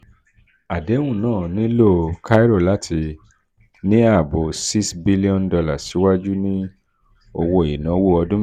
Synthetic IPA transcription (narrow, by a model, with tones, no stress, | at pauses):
a˨de˨˦ũ˦˨nãː˦˨nĩ˦lo˦˨ka˦i˦ɾo˦˨la˨˦tʰi˧ | nĩ˦a˦˨bo˨si˦sbi˦li˦ɔ̃˦ndɔ˧la˨si˨˦wa˦d͡ʒu˦nĩ˦ | o˧wo˧e˨i˨nã˨˦wo˦ɔ˧dũ˦